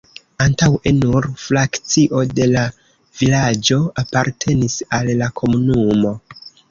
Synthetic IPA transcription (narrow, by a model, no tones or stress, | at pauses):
antawenuɾflakt͡siʔo̞de̞la | vilad͡ʒo̞apaɾtʰe̞nisalːakʰo̞munumo̞